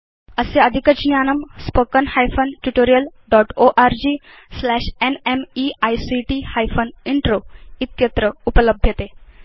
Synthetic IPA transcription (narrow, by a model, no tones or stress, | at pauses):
əseəd̪ʱikəd͡ʑnjanəmspokənhajfənʈuʈoɾijəlɖɔʈoʔaɾd͡ʑi | slæɕenemiajsiʈihajfəniɳʈɾoit̪̚kjet̪ɾəupələbʱjət̪e